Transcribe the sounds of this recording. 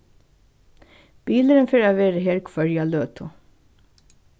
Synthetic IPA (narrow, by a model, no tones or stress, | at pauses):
b̥iːləɾənfeːɾaːʋeːɾəɦeːɾkʰfœɹjɑːløːt̪ʰʊ